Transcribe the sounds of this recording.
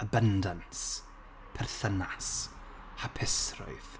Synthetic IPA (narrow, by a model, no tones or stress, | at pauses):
əbəndəns | pʰɛrθənas | apʰɪsrʊ̰jθ